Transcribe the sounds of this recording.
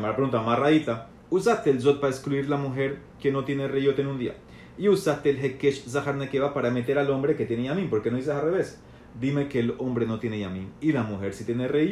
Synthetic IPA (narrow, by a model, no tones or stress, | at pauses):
maɾapɾeɣunt̪amaraðit̪a | usast̪eːlzo̞t̪̚paeskluiɾlamuxe̞ɾ | ke̞no̞t̪je̞nereʝo̞t̪enũnd̪ia̰ | iusast̪eːlɦekeʃzaxaɾnekeβapaɾame̞t̪e̞ɾalo̞mbɾe̞ke̞t̪je̞nejamĩnpoɾkeno̞ðis̬esalreβe̞s | d̪ime̞ke̞ːlo̞mbɾe̞no̞t̪je̞nejamĩnilamuxe̞ɾsit̪jenere